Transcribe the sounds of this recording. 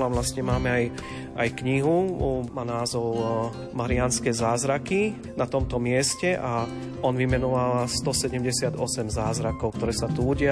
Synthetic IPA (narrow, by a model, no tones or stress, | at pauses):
laʋlast̪ɲɛmaːmɛaj | ajkɲiɦumaːnaːzɔʊ | maɾianskɛzaːzɾaki | nat̪ɔmt̪ɔmɪɛscɛʔa | ɔnʋimɛnɔʋalst̪ɔsɛɟɛmɟɛsɪad̪ɔsɛmzaːzɾakɔʊk̚t̪ɔɾɛːsat̪uːɟɪa